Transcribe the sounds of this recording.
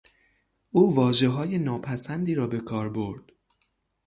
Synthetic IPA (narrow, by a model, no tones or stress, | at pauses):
ʔuːvɒːʒe̞ɦɒːje̞nɒːpʰæsænd̪iːɾɒːbe̞kʰɒːɾbo̞ɾd̪̥